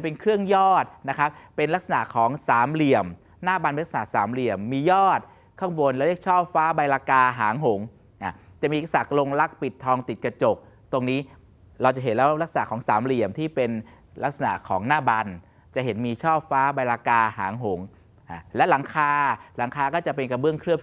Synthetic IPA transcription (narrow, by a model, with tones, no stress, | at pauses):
npe˧nkʰɾɯ˥˩əŋjɔː˥˩t̪̚na˦˥kʰa˦˥p̚pe˧nla˦˥k̚sa˧na̰˨˩ʔkʰɔː˩˦ŋsaː˩˦mli˨˩əm | naː˥˩ba˧nm˧la˥sa˨na˨˩ʔsaː˩˦mli˨˩əmːiː˧jɔː˥˩t̪̚ | kʰa˥˩ŋwoː˧nlɛ˦˥ɾi˥˩ək̚t͡ɕʰɔː˥˩p̚faː˦˥ba˧jlaː˧kaː˧ɦaː˩˦ŋɦo˩˦ŋ | ʔa˧˩ | t͡ɕa˨˩ʔmiː˧˦˥k̚sa̰˨˩klo˧ŋla˦˥k̚pi˨˩t̪ʰːɔː˧ŋt̪i˨˩t̪̚ka˧t͡ɕo˨˩k̚ | t̪o˧ŋniː˦˥ | ɾa˧wt͡ɕa˨˩ɦe˨˦nlɛː˦˥wla˦˥k̚sa˧na˨˩kʰɔː˩˦ŋsaː˩˦mli˨˩əmt̪ʰiː˥˩pe˧n | la˦˥k̚sa˧na̰˨˩ʔkʰɔː˩˦ŋnaː˥˩ba˧n | t͡ɕa˨˩ʔɦe˩˦nmiː˧t͡ɕʰɔː˥˩p̚faː˦˥ba˧jlaː˧kaː˧ha̰ː˩˦ŋɦo˩˦ŋ | ʔa˧˩lɛ˦˥wla˨˩˦ŋkʰaː˧la˩˦ŋkʰaː˧kɔː˥˩t͡ɕa˨˩pe˧nka˧bɯ˥˩əŋkʰɾɯ˥˩əm